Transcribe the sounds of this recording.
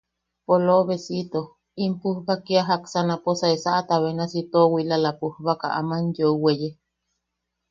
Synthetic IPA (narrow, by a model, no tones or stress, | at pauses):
poloβesit̪o | impuhβakiaɦaksanaposaesaʔat̪aβenasit̪owilalapuhβakaʔa̰manjouweje